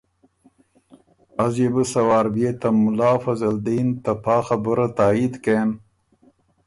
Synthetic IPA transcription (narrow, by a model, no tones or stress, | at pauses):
ɐzjebɨsɐwaːɾbiet̪ɐmːulaːfɐzɐld̪iːnt̪ɐpʰaːxɐbuɾɐt̪aːid̪ken